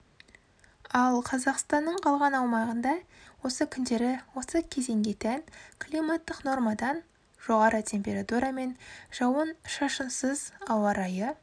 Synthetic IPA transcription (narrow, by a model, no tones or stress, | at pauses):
ɑlˠqʰɑzɑqst̪ɑnːəɴqʰɑlˠʁɑnɑwmɑʁənd̪ɑ | wo̞səkʲʰʏnd̪e̞ɾɪwo̞səkʲʰe̞ze̞ŋɡʲe̞t̪ænkʰlˠijmat̪ːɪqno̞ɾmɑd̪ɑn | ʒ̥o̞ʁɑɾʔət̪ʲʰe̞mpʲe̞ɾat̪uɾɑme̞nʒ̥ɑwənʃɑʃənsəzɑwɑɾɑjə